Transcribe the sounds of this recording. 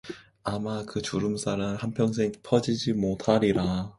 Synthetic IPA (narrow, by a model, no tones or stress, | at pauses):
amakɯt͡ɕuɾɯmsʰaɾɯnhanpʰjʌŋs̬ʰeŋpʰʌd͡ʑid͡ʑimotʰaɾiɾa